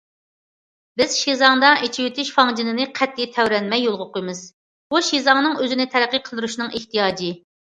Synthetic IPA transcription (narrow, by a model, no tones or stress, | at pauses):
bɪz̥ʃizɑŋd̪ɑʔet͡ʃʰiwyt̪ʰyʃfɑŋd͡ʒinɪnɨqʰɛt̪ʰːit̪ʰɛwɾɛnmɛjːolˠʁəqʰojmɨz̥ | b̥uʃizɑŋnɨŋøzɪnɪt̪ʰɛɾæqːəqʰəlˠd̪ɨɾuʃnɨŋeht̪ijɑːd͡ʒi